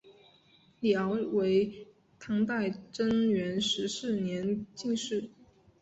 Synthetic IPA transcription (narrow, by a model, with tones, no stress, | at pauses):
ljɑ˧˥ʊwe˧˥ɪ | t̪ʰɑ˧˥ŋt̪a˥˩ɪʈ͡ʂə˥ŋɥɛ˧˥nʂɻ̩˧˥ʂɻ̩˥˩njɛ˧˥nt͡ɕi˥˧ŋʂɻ̩˥˩